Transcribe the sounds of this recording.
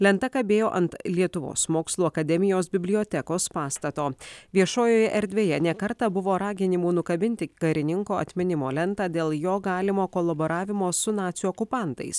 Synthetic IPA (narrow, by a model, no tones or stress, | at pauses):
lʲɛnt̪ɐkɐbʲeːjoːʔɐnt̪lʲiɛt̪ʊʋo̰ːsmoːkslˠuːɐkɐd̪ʲɛmʲɪjoːsbʲɪbʲlʲɪoːt̪ʲɛkoːspɑːst̪ɐt̪oːʋʲiɛʃoːjoːjɛʔɛɾʲd̪ʲʋʲeːjɛnʲɛkɐɾt̪ɐbʊʋoːɾɑːɡʲɪnʲɪmuːnʊkɐbʲɪnʲt̪ʲɪkɐɾʲɪnʲɪŋkoːʔɐ̰t̪ʲmʲɪnʲɪmo̰ːlʲɛnˑt̪ɑːd̪ʲeːlˠjoːɡɑːlʲɪmoːkoːlˠɐbɔɾɑːʋʲɪmoːsʊnɑːt̪sʲjuɔkʊpɑˑnt̪ɐ̰ɪs